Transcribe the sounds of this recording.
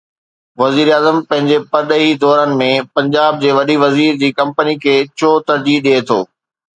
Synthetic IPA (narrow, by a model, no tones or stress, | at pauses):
ʋɐziːɾaːzəmpɐ̃ɦɪ̃ɲd͡ʑepɐɾɗəɦid̪ɔːɾənɪ̆mẽpɐ̃ɲd͡ʑaːb̚d͡ʑeːʋɐɗiʋɐziːɾd͡ʑiːkɐ̃mpənikʰeːt͡ɕʰoːt̪ɐɾd͡ʑiːɗiet̪ʰo̰ː